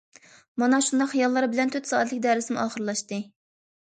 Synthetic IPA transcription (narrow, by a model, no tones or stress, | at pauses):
mɑnɑʃund̪ɑqhijɑlˠːɑɾɨbɪlɛnt̪ʰøt̪sɑːɛt̪lɪkʲd̪æɾɪsɪmuʔɑːχəɾlˠɑʃt̪ɨ